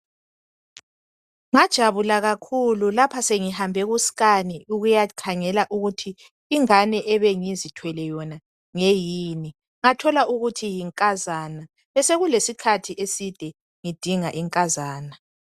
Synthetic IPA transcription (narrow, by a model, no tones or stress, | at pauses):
ŋad̥ʒ̥ʱaβulaɣakʰululapʰaseŋihambʱɛɣusi̥ɣaniuɣujakʰaŋɛlaʔuɣutʰiː | ŋanɛʔɛβɛŋizitʰwɛlɛjɔna | ŋejiːni | ŋatʰɔlaʔuɣutʰijiŋkʼazana | βɛseɣulesikʰatʰiʔesid̥ʱɛ | ŋid̥ʱiŋaʔɛŋkʼazaːna